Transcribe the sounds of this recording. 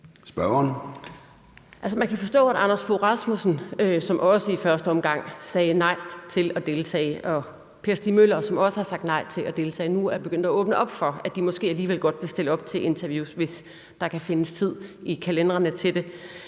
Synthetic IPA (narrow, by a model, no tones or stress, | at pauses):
sb̥ɶɐn | ʔælsəmænkʰæfɒ̽sd̥ɔ̰̽ːæɾɑ̈nɐsfoʁɑ̈smusn̩øsɒ̽mʔɒ̽səifɶɐsd̥əɒ̽mɡ̥ɑ̈ŋ̰sɛːnɑ̈ɪ̰t͡sʰe̝lɒd̥e̝lt͡sʰɛ̰ːɪʔɒ̽ | pʰe̝ɐsd̥imølɐsɒ̽mɒ̽səhɑ̈sɑ̈ɡ̥̚d̥nɑ̈ɪ̰t͡sʰe̝læd̥e̝lt͡sʰɛ̰ːnuæɐb̥e̝ɡ̥øn̰d̥ɒɔ̽ːb̥nəʔɒ̽b̥fɒ̽æd̥imɒ̽sɡ̥e̝̰ːæliːʋel̰ɡ̥ɒ̽d̥ʋe̝sd̥e̝ləɒ̽b̥̚t͡sʰe̝ʔe̝nt͡sʰɐʋjṵːsʋe̝s | d̥ɑ̈kʰæfe̝nəst͡sʰið̰ˠikʰælend̥ʁɐnət͡sʰe̝d̥e̝